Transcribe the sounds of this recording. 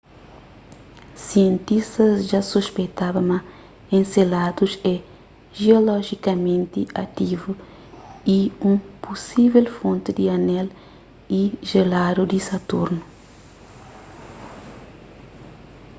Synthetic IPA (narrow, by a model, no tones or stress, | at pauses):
siẽnt̪ist̪ɐzʒasuʃpejt̪abɐmɐ | ẽnselad̪uʃɛ | ʒeolɔʒikɐmẽnt̪iɐt̪ivu | iũpusivɛlfõnt̪id̪iɐnɛl | iʒelad̪ud̪isɐt̪uɾnu